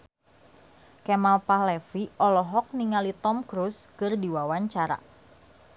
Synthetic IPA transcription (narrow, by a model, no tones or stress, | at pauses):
kɛmalpahlɛfiʔɔlɔɦɔk̚niŋalit̪ɔmkɾuskɨrdiwawaɲt͡ʃaɾa̰